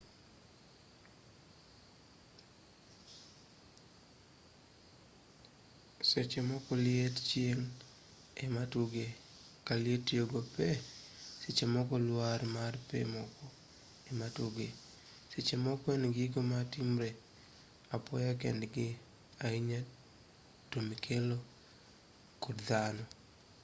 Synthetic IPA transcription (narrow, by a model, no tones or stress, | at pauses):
set͡ʃemɔkɔlɪett͡ʃjeŋ | ematuɡe | kalɪetjoɡopɛset͡ʃemɔkɔlwarmarpḛmɔkɔ | ematuɡe | set͡ʃemɔkwɛnɡɪɡomatimɾe | apɔjak̬ɛ̰ndɡɪ | aiɲa | tomikʰelo | kodd̪anɔ